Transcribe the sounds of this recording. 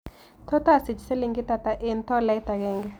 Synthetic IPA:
t̪ɔ˦ta˦˨si˨d͡ʒse˦li˦ŋɡɪ˦t̪a˨t̪a˨ʔe˦nt̪ɔ˦lɛ˦jt̪a˨ɡɛ˦˨ŋɡɛ˨

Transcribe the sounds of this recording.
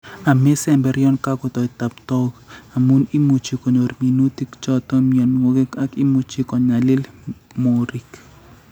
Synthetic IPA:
a˨mɛ˦sɛ˦˨mbɛ˨ɾjɔ˦nka˦ko˨t̪ɔ˨i˨t̪a˨pt̪ɔ˦ɡa˨mu˦ni˦mu˨t͡ʃi˨ko˨ɲo˨ɾmi˨nu˦ti˦kt͡ʃɔ˦t̪ɔ˦miɔ˨nwo˦ɡe˦ka˦ki˦mu˨t͡ʃi˦kɔ˨ɲa˨lɪ˦lmo˨ɾi˨k

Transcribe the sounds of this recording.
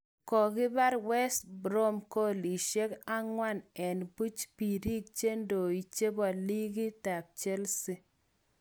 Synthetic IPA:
kɔ˨ɡɪ˦ba˦ɾwɛ˦sbɾo˦mko˦li˨ʃe˦ka˦ŋwa˦˨nɛ˨nbu˦t͡ʃpi˨ɾi˦k̚t͡ʃe˦ndo˨i˨t͡ʃe˦bɔ˨li˦ɡi˦ta˨p̚t͡ʃe˦lsi˦

